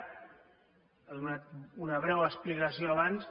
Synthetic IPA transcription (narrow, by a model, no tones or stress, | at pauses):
əðunat̪unəβɾɛwəsplikəsioaβans